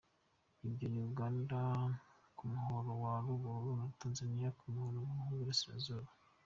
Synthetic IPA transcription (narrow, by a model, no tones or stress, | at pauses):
ibɟoɲuuɡaːndakumuho̞ɾowaɾuβoɾunataːnzanijakumuhoɾowuuhuβiɾasiɾa̰zuβa